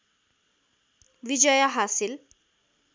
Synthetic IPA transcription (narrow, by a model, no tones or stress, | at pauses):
ʋid͡ʒʌjʌɦasil